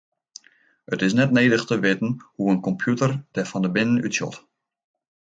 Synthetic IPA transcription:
ətɪsnɛtneːdəxtəʋɪtən̩huənkɔmpʰjutərd̥ɛfɑndəbɪnəny̰tsjɔ̰t

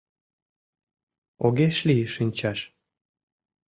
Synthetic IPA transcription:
oɣeʃlijəʃinʲt͡ɕɑʃ

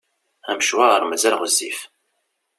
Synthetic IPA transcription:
æmʃwaɾˤmæzælʁəzːif

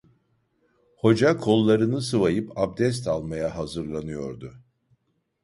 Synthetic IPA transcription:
ho̞d͡ʒakʰo̞lˠːaɾɯnɯsɯvajɯpʰab̚d̪ɛs̬t̪ʰalˠmajaɦazɯɾlˠanɯjo̞ɾd̪ʊ

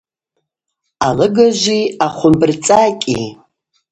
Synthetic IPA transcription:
alɨɡaʒʷiaχʷʊmbɨrt͡sʼakʲʼi

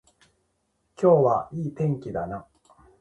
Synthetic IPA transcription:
kʲo̞ːβaiːt̪ẽ̞ŋkʲid̪ana

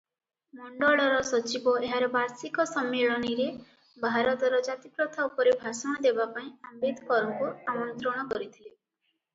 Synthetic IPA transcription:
mɔɳɖɔɭɔɾɔsɔt͡ʃibɔeɦaɾɔbaɾsikɔsɔmːeɭɔñiɾe | bʱaɾɔt̪ɔɾɔd͡ʒat̪ipɾɔt̪ʰaupɔɾebʱasɔɽ̃ɔd̪ebapaĩambed̪kɔɾɔŋkuamɔnt̪ɾɔɽ̃ɔkɔɾit̪ʰile

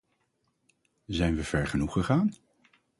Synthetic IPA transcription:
zɛjnʋəv̥ɛɹχənuχəχaːn

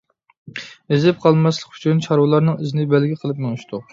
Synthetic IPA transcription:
ezɪp̚qʰɑlˠmɑslˠəqy̥t͡ʃʰynt͡ʃʰɑɾwlˠɑɾnɨŋizɪnɪbælɡʲiqʰəlˠɨpmeŋɪʃt̪ʰʊ

